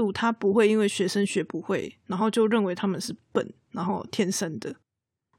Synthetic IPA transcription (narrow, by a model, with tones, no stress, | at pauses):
u˥˨t̪ʰa˦pu˨˦xwe˥˩ɪi˦˥nwe˥˩ɪɕɥɛ˧˥ʂə˦nɕɥɛ˧˥pu˨˦xwe˥˩ɪna˨˧˥nxo˥˧ʊt͡ɕjo˥˧ʊɻə˥˨nwe˨˥ɪt̪ʰa˥mə˨nʂɻ̩˥˩pə̰˨˩˦nna˧˦nxo˥˩ʊt̪ʰjɛ˥˨nʂə˦nd̪ə˨